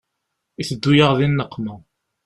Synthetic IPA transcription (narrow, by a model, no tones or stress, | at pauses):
iθəd̪ːujəʁðinːəqːma